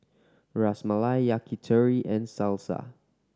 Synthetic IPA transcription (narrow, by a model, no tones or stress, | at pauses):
ɹasmalajakʰitʰəɹiʔɛ̃nsalsa̰